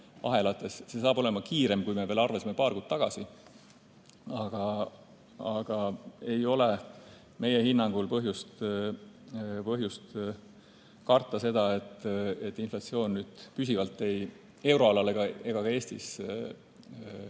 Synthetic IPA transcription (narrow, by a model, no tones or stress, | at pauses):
ʔɑ̰ɦe̞lɑt̪ːˑe̞sse̞sɑːb̥o̞le̞mɑkiːɾe̞mkujme̞ve̞ːlɑrvesimepɑːrkuːd̪̥̚t̪ɑɡ̥ɑsi | ɑɡ̥ɑ | ɑɡ̥ɑe̞jo̞le | me̞jehinːɑŋɡ̥ulpɤɦjust̪ | pɤɦjust̪ | kɑrt̪ˑːɑse̞d̪̥ɑe̞t̪ːˑe̞t̪ːˑinflɑt̪sio̞ːnnyːd̪̥pysʲivɑlt̪ːˑe̞j | e̞wɾo̞ɑlɑleɡ̥ɑe̞ɡ̥ɑkɑe̞ːst̪is